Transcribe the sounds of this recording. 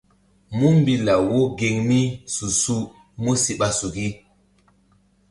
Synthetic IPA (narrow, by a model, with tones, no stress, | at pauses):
mu˦m˦bi˦la˨wo˦ɡe˨ŋmi˦su˨su˦ | mu˦si˨ɓa˦su˨ɡi˦